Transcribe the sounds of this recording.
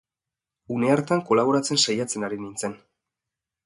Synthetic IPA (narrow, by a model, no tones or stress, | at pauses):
une̞aɾt̪aŋko̞laβo̞ɾat͡se̞nsajat͡se̞naɾinint͡se̞n